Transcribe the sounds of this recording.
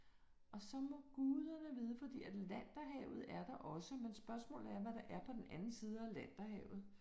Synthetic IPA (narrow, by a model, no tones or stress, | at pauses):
ʔɒ̽sɒ̽mɒ̽ɡ̥uːðˠɐnəʋiːð̞ˠəfɒ̽d̥ḭːæd̥læn̰d̥ɐɦɛʊð̞̩ˠæɐd̥ɑ̈ʔɒ̽səmensb̥ɶɐsmɔ̰̽ːlð̩ˠæɐʋæɾ̥ɑ̈ʔæɐpʰɒ̽d̥en̩ʔænn̩siːð̞ˠəælæn̰d̥ɐɦɛʊð̞̩ˠ